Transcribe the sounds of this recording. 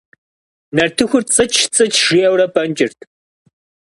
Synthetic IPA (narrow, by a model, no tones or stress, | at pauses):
nɐrtʰɨxʷʊrt͡sʼɐt͡ʃʃt͡sʼɨt͡ʃʰʒ̥ɪjɛwrɐpʰʼɐnt͡ʃʼɪrtʰ